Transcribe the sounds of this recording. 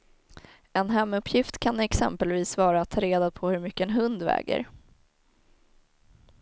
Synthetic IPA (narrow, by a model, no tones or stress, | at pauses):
ɛnɦɛmːɵpʰːjɪft̪kʰanɛksɛ̰mpəlviːsvɑːɾaːt̪ʰːɑːɾeːd̪apʰɔhɵɾmʏkːəɛnɦɵnd̪vɛ̰ːɡə̰ɾ